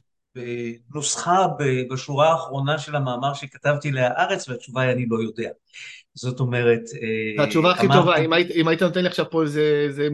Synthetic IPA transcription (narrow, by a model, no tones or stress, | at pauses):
benosχabebaʃuʁaːχʁo̞naʃe̞lamaːmaʁʃekatavtileaʔaʁet͡sveat͡ʃuvajanilo̞jo̞de̞a | z̥o̞to̞me̞ʁe̞teveat͡ʃuvaːχimtovaimaitimajit̪anot̪enliaχʃavpoezeze